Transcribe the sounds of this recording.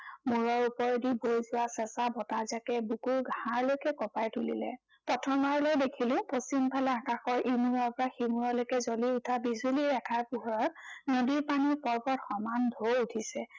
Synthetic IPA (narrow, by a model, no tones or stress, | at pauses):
muɹɔupɔɹdibojzʊwasɛsabɔtazakɛbukuɹɡʱaɹlojkɛkɔpajtulḭlɛ̰ | tɔtʰɔmaɹlojdekʰilʊ̃postimpʰalɛakaxɔɹʔimuɹapɹaximuɹɔlojkɛzoliutʰabizuliɹɛkʰaɹpuɦɔɹɔt̚nodiɹpanipɔɹbɔtxɔmandʱoutʰisɛ